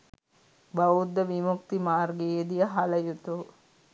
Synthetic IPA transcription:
bɐʋud̪ːəʋimukt̪imaːrɡeːd̪ijəɦalɐjut̪u

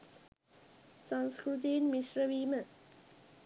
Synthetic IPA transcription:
sɐŋskɾut̪̬iːnmiʃɾɐʋiːmə

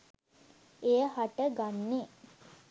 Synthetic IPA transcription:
ejəhaʈəɡanːe

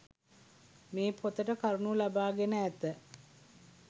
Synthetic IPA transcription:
meːpʰot̪əʈəkaɾunulabaːɡenəæt̪ə

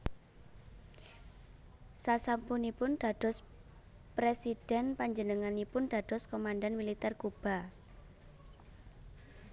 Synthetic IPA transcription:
sasampunipʊnd̥a̤d̥ɔ̤s | pɾesid̥ɛnpaɲd͡ʒənəŋanipʊnd̥a̤d̪̥ɔ̤skomandanmilit̪ɛrkub̥a̤

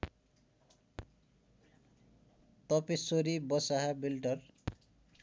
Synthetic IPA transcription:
t̪ɔpisoɾibɔsaɦabilʈʌr

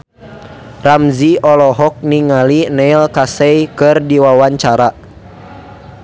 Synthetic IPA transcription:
ramziʔɔlɔɦɔk̚niŋalinɛilkasɛjkɨrdiwawaɲt͡ʃaɾa

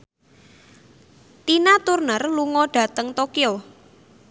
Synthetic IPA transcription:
t̪inat̪urnərluŋɔɖ̥a̤t̪əŋt̪okio

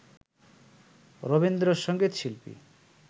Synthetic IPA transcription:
ɾobend̪ɾoʃɔŋɡet̪ʃilpḭ

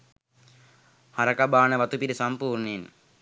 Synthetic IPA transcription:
hɐɾɐkɐbaːnɐʋɐt̪upiɾɐsɐmpuːɾɳin

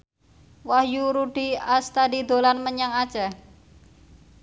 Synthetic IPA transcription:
wahjuɾuɖ̥iast̪adid̪o̤lanməɲaŋad̥ʒ̥a

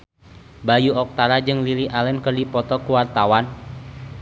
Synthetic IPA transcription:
bajuɔk̚t̪aɾad͡ʒɨŋliliʔalɛnkərdipɔt̪ɔkuwart̪awan

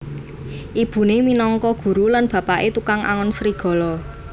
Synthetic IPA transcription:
ʔib̥ṳneminɔŋkɔɡ̥ṳɾulanb̥a̤paʔet̪ukaŋʔa̰ŋɔnsɾiɡ̥ɔ̤lɔ

